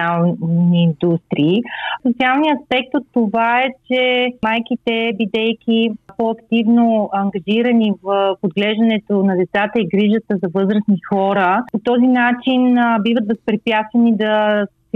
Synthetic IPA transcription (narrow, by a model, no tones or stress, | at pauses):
alˠniːnd̪ust̪ɾiːsot̪sialˠniəɐspɛk̚t̪ot̪ːovaɛt͡ʃɛmajkit̪ɛbid̪ɛjkipɔɐkt̪ivnoɐŋɡɐʒiɾənivəfod̪ɡlɛʒd̪ənɛt̪onɐd̪ɛt̪sat̪əiɡɾiʒət̪əzɐvɤzɾəsnixɔɾəpot̪ɔzinat͡ʃinbivət̪vɐspɾipjat̪st̪vənid̪ɐs